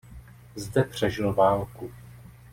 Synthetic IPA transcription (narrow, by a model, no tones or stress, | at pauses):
zdɛpr̝̥ɛʒɪlvaːlku